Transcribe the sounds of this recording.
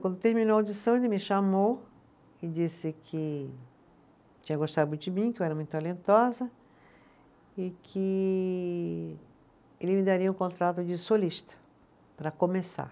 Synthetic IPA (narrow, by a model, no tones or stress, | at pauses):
kwɐ̃nd̪ʊt̪eɾmĩnowawd͡ʒisɐ̃w̃elɪmɪʃamow | ɪd͡ʒisɪkʰɪ | t͡ʃĩɲɐɡoʃt̪ad̪ʊd͡ʒɪmĩkɪewɛɾɐmũj̃t̪ʊt̪alẽnt̪ɔzɐ | ɪkʰɪ | elɪmɪd̪aɾiɐũkõnt̪ɾat̪ʊd͡ʒɪsoliʃt̪ɐ̥ | pɾɐkõmesa̰ɾ